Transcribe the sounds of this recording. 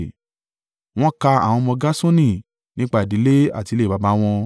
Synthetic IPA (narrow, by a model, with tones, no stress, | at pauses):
w̃ɔ̃˦ka˧a̰˨w̃ɔ̃˧mɔ̃˧ɡa˦sõ˦nĩ˦ | nĩ˦k͡pa˦i˨di˨˦le˦a̰˦˨ti˧le˦˨ba˨˧ba˨˦w̃ɔ̃˧